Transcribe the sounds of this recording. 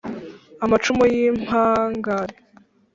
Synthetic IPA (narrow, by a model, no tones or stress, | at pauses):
amat͡ʃumojim̥haːŋɡaɾe